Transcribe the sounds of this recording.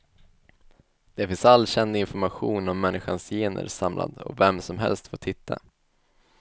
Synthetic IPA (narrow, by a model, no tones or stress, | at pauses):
d̪̥ɛfɪnsalːɕɛnd̪ɪnfɔɾmaɧuːnɔmːɛnːɪɧansjeːnə̰ɾsamlʔa̰d̪ɔ̰vɛmsɔmɦɛ̰lst̪foːt̪ʰɪt̪ʰːa̰